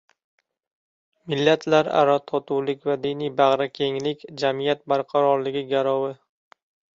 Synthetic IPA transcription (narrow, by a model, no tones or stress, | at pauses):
mɪlːat̪ʰlaɾa̰ɾat̪ʰɒt̪ʰuwlɪkʲvad̪ɪnijbaʁɾakʲʰe̞ŋlɪkʲd͡ʒamijat̪̚baɾqʰɑɾɒɾlɪɡʲɪɡʲaɾɒwɪ